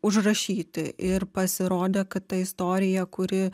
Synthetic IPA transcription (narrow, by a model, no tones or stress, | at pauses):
ʊʒrɐʃʲiːt̪ʲɪʔɪɾpɐsʲɪɾoːd̪ʲeːkɐtt̪ɐɪst̪oːɾʲɪjɛkʊɾʲɪ